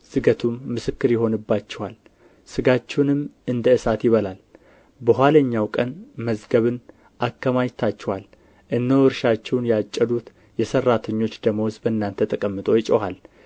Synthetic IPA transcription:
sɨɡət̪ʰumːɨsɨkːɨɾjɪɦo̞nɨbːat͡ʃːɛwal | sɨɡat͡ʃːɛwnɨmɨnd̪əɨsat̪jɪβəlal | bəɦʷaləɲːawkʼənməzɡəβɨn | ʔakːəmajt̪ʰːat͡ʃːɛwal | ʔɨnːəwɨɾʃat͡ʃːɛwnjat͡ʃʼːəd̪ut̪ | jɛsərːat̪ʰəɲːo̞t͡ʃːd̪əməwsbəɨnːant̪ʰːət̪ʼəkʼəmːɨt̪ʼo̞jɪt͡ʃʼɛwal

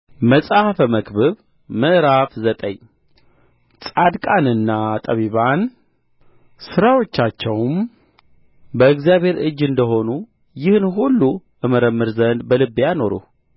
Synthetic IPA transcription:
məsʼahfəməkbɨβ | mɨʔɾafzət̪ʼəɲ | sʼad̪kʼanɨnːat̪ʼəβiβan | sɨɾawot͡ʃːat͡ʃːɛwm | bəɨkzijaβhe̞ɾɨd͡ʒːɨnd̪əɦo̞nu | jɪhnɦulːu | ʔɨməɾəmːɨɾzənd̪bəlɨbijano̞ɾṵ

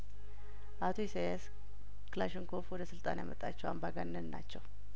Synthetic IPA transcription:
ʔat̪ʰoisajas | klaʃɪŋkʰofwɔd̪əsɨlt̪ʼa̰nja̰mət̪ʼːat͡ʃːɛwa̰mbaɡanːənnːa̰t͡ʃːɛw

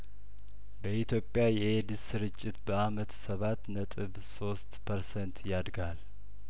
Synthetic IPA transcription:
bəʔit̪ʰjo̞pʼːjajɛed̪ɨsɨɾɨt͡ʃʼːɪt̪bəamət̪səβat̪ːnət̪ʼɨβso̞st̪pʰəɾsɛnt̪jad̪ɡal

